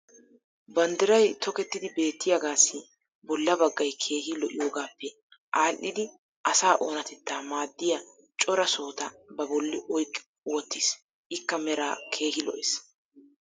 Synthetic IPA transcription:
bɐnd̪ɪɾɐjt̪ɔkɛt̪ːɪd̪ɪbe̞ːt̪ːɪjaɡaːsːɪ | bɔlːɐbɐɡːɐjkʰe̞ːhɪlɔʔɪjo̞ːɡaːpːɛ | ʔaːlːɪd̪ɪ | ʔɐsaːʔoːnɐt̪ɛt̪ːaːmaːd̪ːɪjɐ | t͡ʃʼɔɾɐso̞ːt̪ɐbɐbɔlːɪʔɔjkʼ | wɔt̪ːis | ʔɪkːɐmɛɾaːkʰe̞ːhɪlɔ̰ʔɛs

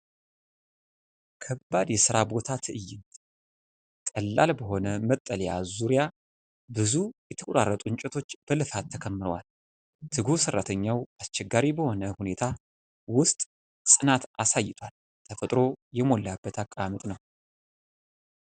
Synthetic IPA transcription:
kʰəbːad̪jɛsɨɾabo̞t̪ʰat̪ʰɨʔɨjːɪnt̪ | t̪ʼəlːa̰lbəɦo̞nəmət̪ʼːəljja̰zuɾija | bɨzujɛt̪ʰəkʼoɾarːət̪ʼuɲt͡ʃʼɛt̪ʰo̞t͡ʃːb̥əlɨfat̪ʰːəkʰəmːɨɾəwal | t̪ʰɨɡusɨrːat̪ʰəɲːawast͡ʃɛɡaɾibəho̞nəhune̞t̪ʰa | wʊst̪ʼ | sʼɨnat̪ʔasajːɪt̪ʰwal | t̪ʰəfət̪ʼɾo̞jɛmo̞lːabːət̪ʰakʼamət̪ʼnəw

